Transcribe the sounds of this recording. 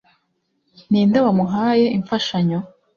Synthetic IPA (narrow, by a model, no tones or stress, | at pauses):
niːndawamuɦaːje̞ʔiɱfaʃaɲo